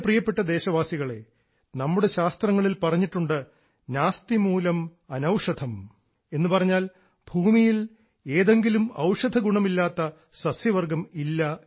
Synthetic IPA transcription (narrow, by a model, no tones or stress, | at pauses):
prijɐpːe̞ʈːɐd̪e̞ːɕɐʋaːsiɣɐɭe̞̰ | nɐmːuɽe̞ɕaːst̪rɐŋːɐɭilpɐrɐɲːiʈːuɳɖɨ | naːst̪imuːlɐmɐnɐwʂɐd̪ʱɐm | e̞nːupɐrɐɲːaːl | bʱuːmijil | e̞ːðe̞ŋɡilumɐ̰wʂɐd̪ʱɐɡuɳɐmilːaːt̪ːɐ | sɐsjɐʋɐrɡɐmilːɐ